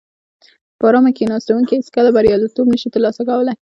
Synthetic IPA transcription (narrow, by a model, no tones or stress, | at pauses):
pəɾɑmakenɑst̪awunkihet͡skəlabaɾjɑlit̪obnəʃit̪əɾlɑsakawəlaj